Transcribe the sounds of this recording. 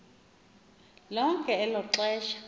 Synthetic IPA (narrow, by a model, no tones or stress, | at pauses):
lɔŋkʼɛːlɔǁɛːʃḁ